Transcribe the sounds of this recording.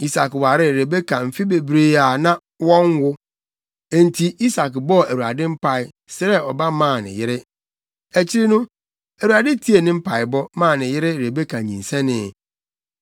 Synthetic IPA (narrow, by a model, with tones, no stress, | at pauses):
i˦sa˨kwa˨ɾɪ˦ɾe˨be˦kʰa˨m̩˨fɪ˦be˨bɾe˦a˨nã˦ | wɔ̃˦n˦wʊ˦ | ẽ˦˨n̩˨tʰi˨i˦sa˨kbɔ˦˨æ˨wu˨ɾa̰˨dɪ̃˦m̩˦pʰa˨ɪ˦ | sɾɛ˦ɔ˨ba˦mãː˦˨nɪ̰̃˨jɪ˦ɾɪ˦ | æ˨t͡ɕʰi˦ɾɪ˦nʊ̃˦ | æ˨wu˨a˨dɪ˦tʰi˦e˨nɪ̃˦m̩˦pʰa˨ɪ˨bɔ˦mã˦˨nɪ̃˨jɪ˦ɾɪ˦ɾe˨be˦kʰa˨ɲḭ̃˨n̩˨sɛ̃˦nɪ̃ː˨